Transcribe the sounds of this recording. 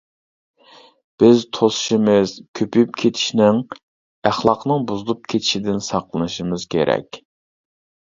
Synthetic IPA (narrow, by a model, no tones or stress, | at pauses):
b̥ɪzt̪ʰosu̥ʃimɨz̥kʲʰøpʰyp̚kʲʰet̪ʰi̥ʃnɪŋ | æχlˠɑqnɨŋbuzɨlˠup̚kʲʰet̪ʰɪ̥ʃid̪ɪnsɑqlˠɨnɨʃimɨz̥kʲʰḛɾɛ̰kʲ